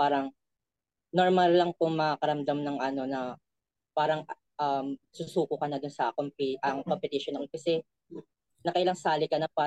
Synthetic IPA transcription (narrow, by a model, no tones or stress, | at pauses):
paːɾɐŋ | noɹmɐlːɐŋpʊŋmɐakɐɾɐmd̪amnɐŋʔɐno̞nɐ | paːɾɐŋ | ʔɐmsʊsuːkʊkɐnɐd̪ʊnsɐkompɪʔɐŋkompɪt̪ɪʃonɐkokɐsɛ | nɐkɐʔɪlaŋsaːlɪkɐnɐpa